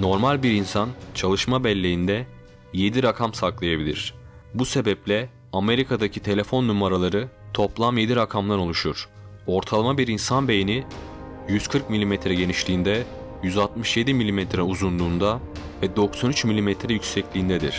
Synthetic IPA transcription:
no̞ɾmalʲbiɾinsant͡ʃʰalˠɯʃmabɛlʲːe̞jind̪ɛ | je̞d̪iɾakʰamsaklˠajabilʲḭɾ̝̥ | buse̞bɛplʲɛ | ame̞ɾikʰad̪acʰit̪ʰe̞lʲe̞fo̞nːumaɾalˠaɾɯt̪ʰo̞plˠamje̞d̪iɾakʰamlˠaɾo̞lˠuʃuɾ̥ | o̞ɾt̪ʰalˠamabiɾinsanbe̞jeni | jyz̥kʰɯɾk̚milʲimet̪ɾɛɟe̞niʃlʲiːnd̪ɛ | jyzalˠt̪mɯʃje̞d̪imilʲimɛt̪ʰɾɛuzund̪uːnd̪a | vɛd̪o̞ksanyt͡ʃmilʲimɛt̪ʰɾɛjycsɛclʲiːnd̪ɛd̪ḭɾ̥

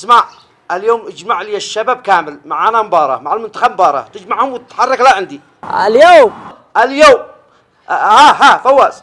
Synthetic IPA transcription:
smaʕ | ʔaljoːmʔɪd͡ʒmaʕliːɪʃːabab̚kaːmɪlmaʕanambɑːɾˤɑ̰maʕalmʊnt̪ḁxab̚mbɑːɾˤɑ̰t̪ɪd͡ʒmaʕhʊmwt̪ɪt̪ħɑrˤːɑklaʕɪnd̪i | a̰ljoːm | ʔaljoːm | haɦafawːaːʔs

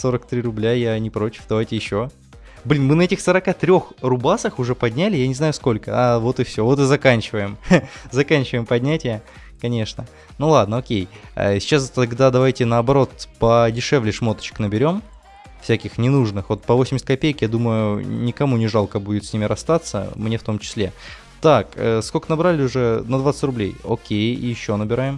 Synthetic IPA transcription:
so̞ɾək̚t̪ɾʲirʊblʲajanʲɪpɾo̞t͡ɕɪ̥fd̪ɐvajtʲɪjɪɕːo | blʲinmɨnɐɛtʲɪxsəɾɐkat̪ɾʲo̞xrʊbasəxʊʐɛpɐdʲnʲælʲɪjanʲɪznajʊsko̞lʲkə̰avo̞t̪ɨfsʲo̞vo̞t̪ɨzɐkanʲt͡ɕɪvəjɪmzɐkanʲt͡ɕɪvəjɪmpɐdʲnʲætʲɪjə | kɐnʲe̞ʂnə | nulˠad̪̚nəokʲej̰sʲɪt͡ɕast̪ɐɡd̪ad̪ɐvajtʲɪnəːbɐɾo̞t̪pədʲɪʂɛvlʲɪʂmo̞t̪ə̥t͡ɕɪ̥knəbʲɪɾʲo̞m | fsʲækʲɪxnʲɪnuʐnɨxvo̞t̪̚pəvosʲɪmʲɪsʲtʲkɐpʲejkjad̪uməjʊnʲɪkɐmunʲɪʐalˠkəbudʲɪt̪sʲnʲimʲɪɾɐst̪at̪sːə̰mnʲe̞ft̪o̞mt͡ɕɪ̥sʲlʲe̞ | t̪akə̰skokənɐbɾalʲɪʊʐɛnɐd̪vat̪sə̥tʲrʊblʲḛjo̰kʲej̰jɪɕːo̞nəbʲɪɾajɪm

